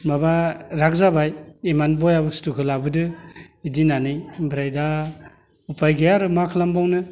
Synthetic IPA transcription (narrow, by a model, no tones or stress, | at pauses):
mabaɾak̚zabajemanbɔjabɯstukʰɯlabɯdɯidinanɯjbiɾajda | upʰajɡejaɾɯmakʰɯlambawnɯ